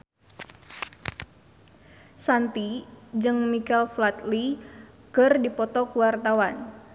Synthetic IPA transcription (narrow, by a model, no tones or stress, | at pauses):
sant̪id͡ʒɨŋmikɛlflat̪li | kɨrdipɔt̪ɔkuwart̪awan